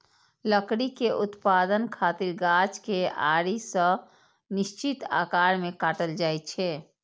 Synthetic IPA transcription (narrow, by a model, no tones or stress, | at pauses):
ləkɽikeʔʊt̪pad̪ənkʰat̪iɾɡat͡ʃkea̰ːɾisə̃ | nɪst͡ʃit̪a̰ːkaːɾmẽkaːʈəld͡ʒaːjt̪̚t͡ʃʰɛ